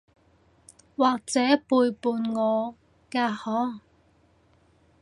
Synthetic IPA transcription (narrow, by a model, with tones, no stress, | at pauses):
waː˨k̚t͡sɛː˨˥puː˧jpuː˧nŋɔː˨˧ | kaː˧hɔː˨˥ŋ